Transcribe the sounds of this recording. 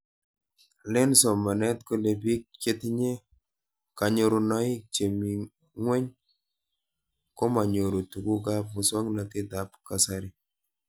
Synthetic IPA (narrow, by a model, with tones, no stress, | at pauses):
lɪ˦nsɔ˨ma˨nɛ˦t̪ko˦le˨pi˦k̚t͡ʃe˦t̪ɲe˦ | ka˨ɲo˦ɾo˨nɔ˦ɪ˦t͡ʃe˨mi˨ | ŋwɛ˦ɲ | ko˦ma˨ɲo˨ɾo˨tu˨ɡu˦ɡa˦pʊ˨sɔ˦ŋna˨kɪ˦d̪a˨pka˨sa˦ɾɪ˨